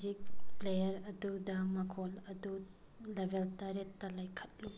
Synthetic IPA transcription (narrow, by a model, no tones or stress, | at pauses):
zik̚plejɐɾɐd̪ud̪amɐkʰolɐd̪u | lebelt̪aɾet̪ɐlajkʰɐt̚lu